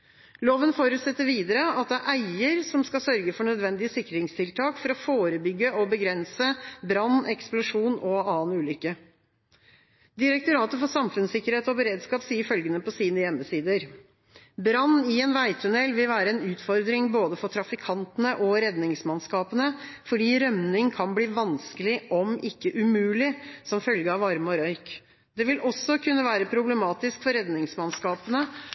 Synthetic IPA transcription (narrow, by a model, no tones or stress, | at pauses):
loːʋənfoːɾʉt̪sɛt̪ːəɾʋiːd̪əɾəɑt̪̚d̪ɛæʔæɪəɾsɔmskɑsœɾɡəfɔɳœd̪ʋɛnd̪ɪəsɪkːɾɪŋst̪ʰɪlt̪ʰɑːkfɔɾɔfoːɾəbʏɡːəɔbəɡɾɛnsəbɾɑnːɛksplʊʂuːnɔɑːnʉːlʏkːə | d̪ɪɾɛk̚t̪ʊɾɑːt̪əfɔsɑmfʉnsɪkːəɾheːt̪ɔbəɾeːd̪skɑːpsiːəɾfœlɡənəpɔsiːnəjɛmːəsiːd̪əɾ | bɾɑnːɪeːnʋæɪt̪ʰʉnɛlːʋɪlʋæːɾəɛnʉːt̪fɔɾd̪ɾɪŋboːd̪əfɔʈʰɾɑfɪkʰɑnt̪ənəʔɔɾɛd̪nɪŋsmɑnskɑːpənəfɔɖiːɾœmnɪŋkʰɑnbliːʋɑnskəlɪʔɔmɪkːəʔʉmʉːlɪsɔmfœlɡəɑːʋɑɾmɔɾœʏk | d̪ɛʋɪlʔɔsːɔkʰʉnːəʋæːɾəpʰɾʊbləmɑːt̪ɪskfɔɾɛd̪nɪŋsmɑnskɑːpənə